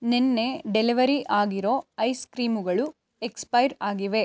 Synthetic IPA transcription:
nenːe̞ɖeliʋɐɾiʔaːɡiɾo̞ːɐjskɾiːmuɡɐɭu | ekspɐjɾaːɡiʋe̞

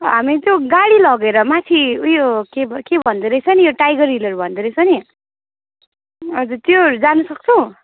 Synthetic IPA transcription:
ɦamit̪joɡaɽilʌɡeɾʌmat̪ʰiujokebkebʱʌnd̪eɾʌjt͡sʰʌnijoʈajɡʌɾilʌɾubʱʌnd̪uɾʌjt͡sʰʌni | ʌd͡zurt̪joɾud͡zanʌsʌk̚t͡sʰʌw̃

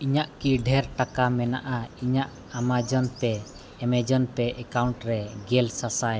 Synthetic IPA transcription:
iɲaʔkiɖʱɛɾʈakamɛnaʔaiɲaʔ | amad͡ʒɔnpɛː | mɛd͡ʒɔnpɛʔɛkawɳʈɾɛɡɛlsasaj

